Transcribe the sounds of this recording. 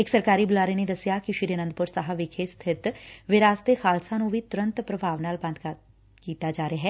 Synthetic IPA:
eksɐɾkaːɾibʊlaːɾened̪ɐsjakiʃiːɾienənd̪pʊɾsəɦaʋɪkʰest̪ʰɪt̪ʋɪɾaːst̪exaːlsãnũʋit̪ʊɾə̃nt̪pɾɐbʱaːʋnaːlbɐ̃nd̪̚ʱka | kiːt̪ad͡ʒaːɾejaɦɛː

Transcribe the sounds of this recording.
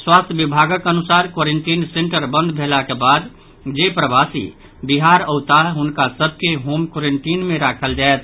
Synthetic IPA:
swaːst̪ʰəbibʱaɡəkənʊsaːɾkoɾeɳʈiːnsẽɳʈəɾbə̃nd̪ʱbʱelakebaːd̪ | d͡ʒepɾəbaːsḭ | biɦaɾəʊt̪aɦʊnkasəb̚ʱkeɦoːmkoɾeɳʈiːnmẽɾakʰəld͡ʒaet̪̚ʰ

